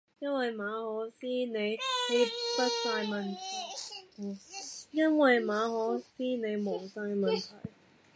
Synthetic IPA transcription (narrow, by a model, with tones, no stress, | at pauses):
jɐ˥nwɐ˨jmaː˨˧hɔː˨˥siː˥ne˨˧jji˧˥pɐ˥t̚saː˧jmɐ˨˩nt̪ʰɐ˨˩j̩˨˩ | jɐ˥nwɐ˨jmaː˨˧˥hɔː˨˥siː˥ne˨˧jmo˨˩wsaː˧jmɐ˨˩nt̪ʰɐ˨˩j